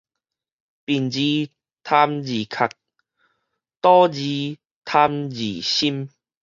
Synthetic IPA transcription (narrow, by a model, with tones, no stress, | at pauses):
pi˨˩nd͡ʑi˧ | t̪ʰa˧md͡ʑi˨˩kʰa˨˩k̚ | t̪ɔ˦d͡ʑi˧ | t̪ʰa˧md͡ʑi˨˩ɕi˦m